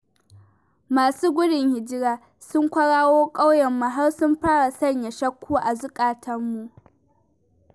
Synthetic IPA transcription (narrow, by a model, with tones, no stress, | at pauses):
maː˨suː˦ɡʷʊ˦ɽɪ˨ŋhɪ˨d͡ʒɪ˦ɽaː˨ | sʊ˦ŋkʷɐ˦ɽaː˦woː˦kʼa˦wjɛ˨mːa˨ɦa˦wsʊ˦mɸaː˦ɽa˨sɐ˦ɲja˨ʃɐ˦kʷʰːuː˦ʔa˨zʊ˦kʼaː˨tʰɐ˦mːu˨ʔ